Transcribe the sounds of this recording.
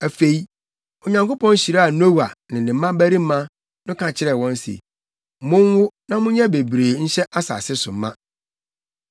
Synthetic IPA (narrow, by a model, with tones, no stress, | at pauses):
æ˨fe˨i˦ | o˨ɲã˨ŋko˦pʰɔ̃˦n˦ɕi˨ɾa˦a˨no˦wa˨nɪ̃˨nɪ̃˨m̩ː˦ã˦bæ˦ɾĩ˦m̩˦mã˦ | nʊ̃˦kʰã˨t͡ɕʰɪ˦ɾɛ˨wɔ̃˦n˦sḛ˨˦ | mʊ̃˦ŋ˦wʊ˦nã˦mʊ̃˦ɲɛ̃˦be˨bɾeː˨ɲ̩˦ɕɛ˦ʔa˦sa̰˨sɪ˦sʊ̰˨m˦mã˦